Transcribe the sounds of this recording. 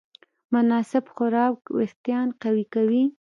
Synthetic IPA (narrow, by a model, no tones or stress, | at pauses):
mʊnɑsɪbxʊɾɑwkwḛxt̪jɑnqawikawi